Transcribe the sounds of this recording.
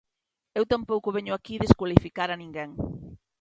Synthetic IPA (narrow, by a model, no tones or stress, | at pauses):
ewt̪ampowkʊβɛɲʊakiðeskwalifikaɾɐnĩŋɡɛŋ